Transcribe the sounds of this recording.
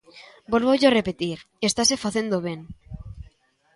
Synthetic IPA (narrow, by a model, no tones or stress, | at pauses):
bolβoʝoarepet̪iɾ | est̪asefaθe̞nd̪oβeŋ